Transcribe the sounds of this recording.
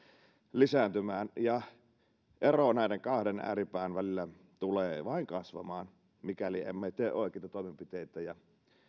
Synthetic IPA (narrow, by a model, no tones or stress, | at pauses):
lisæːnt̪ymæːnjɑ | ʔeronæˑideŋkɑhdenæ̰ːripæːnʋælilːæ | t̪uleːʋɑˑiŋkɑsʋɑ̰mɑːn | mikæliḛmːet̪eːʔʔoˑekeˑit̪ɑt̪oˑemempit̪eit̪æjɑ